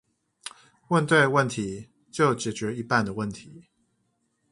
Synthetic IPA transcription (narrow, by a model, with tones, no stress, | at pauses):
wə˥˧nt̪we˥˧ɪwə˥˩nt̪ʰi˨˦ | t͡ɕjo˥˩ʊt͡ɕjɛ˨˩t͡ɕɥɛ˨˥i˧˦pa˥˨nd̪ə˩wə˥˩nt̪ʰi˨˦